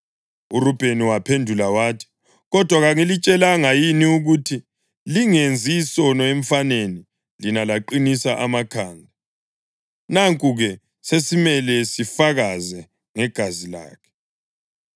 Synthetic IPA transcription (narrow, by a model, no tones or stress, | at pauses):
uɾub̥ʱeniwapʰendʱulawaːtʰi̥ | ɣɔd̥ʱwaɣaŋilit͡ʃʼɛlaŋajiniuɣutʰi | liŋend͡zʱiːsɔnɔeɱ̩faneni | linalaǃinisaʔamakʰaːndʱa | naŋkʼuɣɛ | sesimɛlɛsifaɣazɛ | ŋɛɡ̥ʱazila̰ːkʰɛ̥